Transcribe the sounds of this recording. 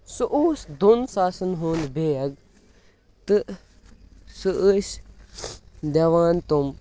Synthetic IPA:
suʔuːsd̪unsaːsɨnɦuːnd̪beːɐɡ | t̪ɨ | sɨʔəs | d̪eʋaːnt̪um

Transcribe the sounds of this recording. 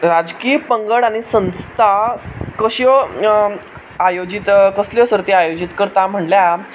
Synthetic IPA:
ɾad͡zkiːəpəŋɡəɽaɽ̃isə̃w̃st̪ʰakəɕiɔ | ajod͡ʑit̪kəsljɔsəɾt̪eajod͡ʑit̪kəɾt̪am̤əɳlja

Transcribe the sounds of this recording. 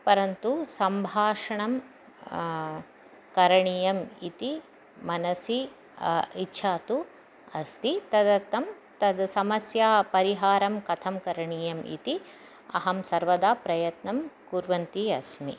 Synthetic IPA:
pɐɾɐnt̪usɐmbʱaːʂɐɳɐm | kɐɾɐɳijɐmḭt̪i | mɐnɐsi | itːʃʰaːt̪u | ɐ̰st̪it̪ɐd̪ɐt̪ːɐm | t̪ɐd̪sɐmɐsjaːpɐɾiɦaːɾɐmkɐt̪ʰɐmkɐɾɐɳiːjɐmḭt̪i | ɐ̰ɦɐmsɐɾʋɐd̪aːpɾɐjɐt̪nɐmkuɾʋɐnt̪iɐsmḭ

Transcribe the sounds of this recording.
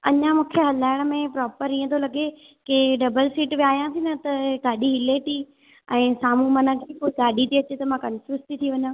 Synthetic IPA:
ɐɲãmũːkʰeɦɐlaːɪɽ̃ə̆mẽpɾɔːpəɾĩːə̃t̪ʰolɐɡe | keɖɐbəlsiːʈʋijaːijãsinɐt̪ɐɡ̪aːɗiɦɪleʈ̪ʰiː | ɛ̃ːsaːmũmɐnə̆kʰeːpoːiɡaːɗit̪ʰiɐt͡ɕet̪ɐmãkɐnfjuːst̪ʰit̪ʰiʋɐɲə̃

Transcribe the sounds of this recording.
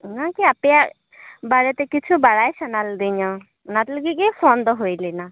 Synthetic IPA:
nakiapja | baɾet̪ekit͡ʃʰubaɾajsɔnald̪iɲɔ̃ | ʊnat̪ləɡikipʰond̪ɔɦoilina

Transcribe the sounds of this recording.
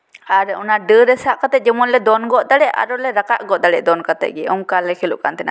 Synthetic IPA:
aɾɛɔnaɖəɾɛsaʔkat̪ɛʔ̚d͡ʒɛmɔnlɛd̪ɔnɡɔʔd̪aɽɛʔa̰ɾɔlɛɾakaʔɡɔʔd̪aɽɛʔd̪ɔnkat̪ɛ̰ʔ̚ɡɛɔmkalɛkʰɛluʔkant̪ɛna̰

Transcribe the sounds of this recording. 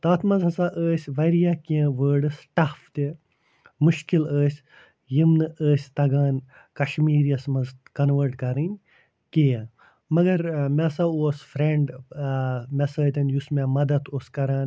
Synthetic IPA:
t̪aːt̪ʰmɐzɦɐsaʔəːsʲʋɐɾijaːkiẽʋəːɾɖɨsʈaːft̪e | muʃkiləːsʲ | jimnɨəːsʲt̪ɐɡaːn | kɐʃmiːɾjɐsmɐzkɐnʋəːɾʈkɐɾɨnʲ | kejɐ̃ | mɐɡɐɾmesaoːsfɾeɳɖ | mesɐːt̪ʲɐnjusmemɐd̪ɐt̪oːskɐɾaːn

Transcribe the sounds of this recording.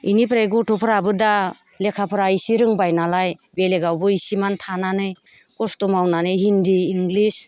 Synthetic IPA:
inipʰɾajɡutʰɔpʰɾabɯda | lekʰapʰɾaisiɾɯŋbajnalajbeleɡawbɯisimantʰananɯj | kɔstɔmawnanɯjɦindiːŋɡlis

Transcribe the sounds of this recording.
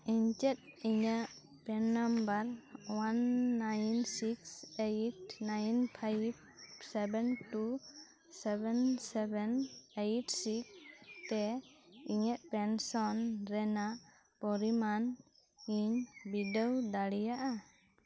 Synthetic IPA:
iɲt͡ʃɛt̪̚iɲaʔ | pɛnːambaɾwanːajnsiksejʈnajnpʰajb̚ | sɛbɛnʈu | sɛbɛnsɛbɛnejʈsik̚t̪ɛiɲəʔpɛnsɔnɾɛna | pɔɾiman | iɲbidəwd̪aɽijaʔa

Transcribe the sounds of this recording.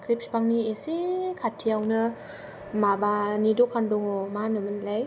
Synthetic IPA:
kʰɾip̚spaŋniesekʰatʰːijawnɯ | mabanidokʰandɔŋɔmanɯmɯnlaj

